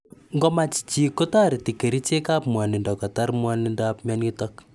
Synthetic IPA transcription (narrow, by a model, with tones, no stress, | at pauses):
ŋɡɔ˦ma˦t͡ʃt͡ʃikota˦ɾe˨ti˨ke˨ɾi˦t͡ʃe˦ka˦pmwa˨nɪ˨ndɔkɔ˨ta˦rmwanɪndapmɔ˦nitɔk